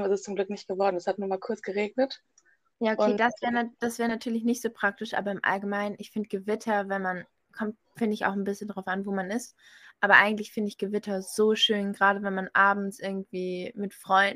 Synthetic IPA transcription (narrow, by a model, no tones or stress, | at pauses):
mɛsɪst͡sʊmɡlʏk̚nɪçt̚ɡ̥əvɔɐdn̩ɛshat̚nuːmaːlkʰʊɐt͡sɡ̥əʁeːɡ̚nət | jaːokʊeːdasv̥ɛːʁəd̥asv̥ɛːʁənatʰyːɐlɪçnɪçtz̥oːpʁ̥ak̚tɪʃʔa̰ːbɐɪmʔa̰lɡəmaɪnənɪçfɪndəɡ̥əvɪtʰɐvɛnman | kʰɔmt | fɪndəɪça̰ʊxn̩bɪsçəndʁaʊfanvoːmanɪst | ʔaːbɐʔa̰ɪɡŋ̩tlɪçfɪndəɪçɡ̥əvɪtʰɐz̥oːʃøːnɡʁaːɾəvɛnmanʔaːbm̩t͡sʔɪɐɡŋ̩tv̥iːmɪtfʁ̥ɔʏndn̩